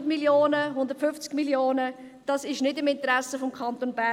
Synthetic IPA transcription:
dmiljoːnəɦʊndətfʏft͡skmiljoːnə | d̥ɑsɪʃnɪdɪmɪntəɾɛsəfɔmkʰɑnt̪onbæ

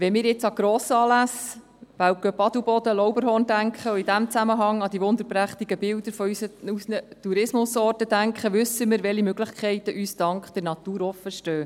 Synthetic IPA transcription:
ʋɛnmɪːɾjɪt͡sɑɡ̥ɾɔːsɑːlæs | ʋæw̚ɡ̥øpɑd̥̪ubɔd̪əlɔwbəɾɦɔːnd̥æŋkχəʊid̪æmt͡sæməɦɑŋːɑd̥ivʊnd̪əɾpɾæχt̪iɡ̥əbɪld̥̪əɾfɔysəusnət̪uɾɪsmʊsɔːrtəd̥æŋkχəʋʏsːəmɪɾʋɛlimøɡlɪχkʰχɛɪt̪əʔyːsd̥ɑŋkχd̪̥ɛɾnɑt̪uːɾɔfəʃtøː

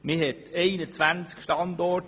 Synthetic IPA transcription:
mɪhɛteɪnət͡svænt͡skʃtɑndɔt

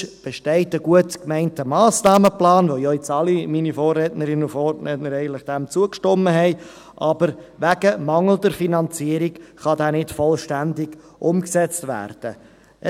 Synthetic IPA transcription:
b̥ɛʃtɛɪtəɡuətkmɛɪntəmɑːsnɑːməplɑːnʋojɔɪt͡sɑliminifoːrːɛtnəɾɪnəʊfoːrɛtnəɾɛɪəntlɪχd̥æmt͡suəkʃtɔməɦɛɪ | ʔɑb̥əɾʋæɡ̥əmɑŋl̩dəɾfinɑnt͡siəɾikχɑdæːnɪtfɔlʃtændɪɡ̥ | ʔʊmksɛt͡stʋæ̰ːɾd̥ə

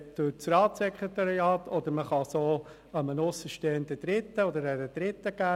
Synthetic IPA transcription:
d̥ʊɾt͡srɑːtsɛkʰʁet̪ɑɾiɑːtʰɔd̥̪əɾməχɑsoː | əmənʊsəʃteːnd̪əd̥ɾɪt̪ːəɔd̪əɾədɛd̥ɾɪt̪ːəɡ̥æː

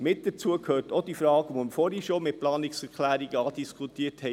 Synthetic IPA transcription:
mɪt̚d̥ət͡suəkʰhøːɾtod̥ifɾɑːɡʋoməfoɾiʃomɪt̚plɑːnɪksɛɾkʰlæːɾiɡəɑːdiskʰutiːəthɛ

